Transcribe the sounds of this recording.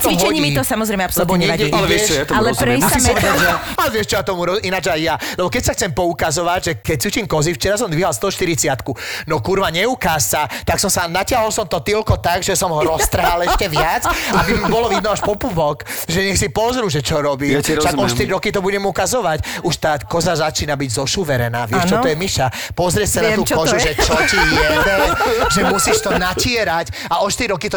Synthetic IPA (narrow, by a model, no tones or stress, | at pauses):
t͡s̪ɔiɦt͡ʃɛɲimit̪ɔsamɔzɾɛjmɛapsɔlɛbɔɲɛaɛlɛɛɛʃɛt̪alɛɾɛɛm | alɛʋɪɛʃt͡ʃɔjat̪ɔmuɾɔinad͡ʒajːalɛbɔkɛcsaxt͡sɛmpɔukazɔʋaɟʒɛkɛc̚sut͡ʃiːmkɔzift͡ʃɛɾas̬ɔmd̪ʋiɦalst̪ɔɦɔʃt̪iɾit͡sɪat̪kunɔkuɾʋaɲɛukaːssat̪aksɔmsanacɪaɦɔlsɔmt̪ɔt̪ilkɔt̪aɡʒɛsɔmɦɔɾɔt̪ɾɦalɛsʃcɛʋɪat͡sabimbɔlɔʋid̪nɔaʃpɔpuʋɔkʒɛɲɛxsipɔzɾuːʒɛt͡ʃɔɾɔbiːfʃaɡɔʃt̪iɾiɾɔkit̪ɔbuɟɛmukazɔʋacuʃt̪aːkɔzazat͡ʃiːnabiɟzɔʃuʋɛɾɛnaːʋɪɛʃt͡ʃɔt̪ɔjɛmiʃa | pɔzɾɪɛcsanat̪uːkɔzuʒɛt͡ʃɔtijɛdɛʒɛmusiʃt̪ɔnacɪɛɾac | aɔʃt̪iɾiɾɔkit̪ɔ